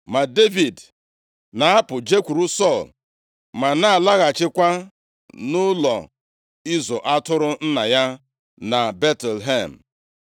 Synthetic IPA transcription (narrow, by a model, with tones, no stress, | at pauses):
ma˨de˦vi˨d | na˨a˦pʊ˨d͡ʒe˦kʷu˨ɾu˦sɔ˦˨l | ma˨na˦a˨la˦ɣa˨t͡ʃɪ˦kʷa˦ | nʊ˦lɔ̰˨ | i˦zo˨ʔa˦tʊ˦ɾʊ˦n̩˦na˨ja˦ | na˨be˦tɛ˨lɦe˦˨m̩˨